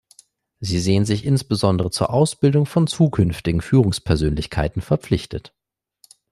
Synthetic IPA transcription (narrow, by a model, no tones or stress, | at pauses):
ziːzeːənzɪçʔɪnsb̥əzɔndəʁət͡suːɐʔaʊsb̥ɪldʊŋfɔnt͡suːkʰʏnftɪɡŋ̩fyːʁʊŋspʰɛɐzøːnlɪçkʰa̰ɪtn̩fɛɐp͡flɪçtət